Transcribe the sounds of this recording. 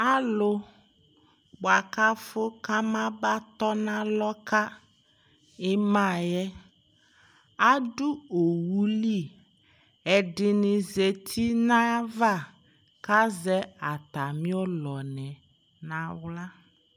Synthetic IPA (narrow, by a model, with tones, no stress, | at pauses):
a˦lʊ˨ | k͡pa˨ka˦fʊ˦ka˦mã˦ba˦t̪ɔ˦nã˦lɔ˦ka˦ | ɪ˦mã˦˨jɛ˦ | a˦dʊ˦o˨wu˦li˦˨ | ɛ˨dɪ˨nɪ˨ze˨t̪ʰi˦nã˦va˦˨ | ka˦zɛ˦a˨t̪a˨mĩ˦ɔ˦lɔ˨nɛ˨ | nã˨wla˦